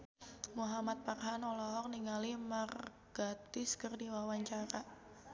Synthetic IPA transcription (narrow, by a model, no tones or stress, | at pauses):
muɦamat̪̚parɦanɔlɔɦɔk̚niŋalimar | ɡ̥at̪ɪskərdiwawaɲt͡ʃaɾa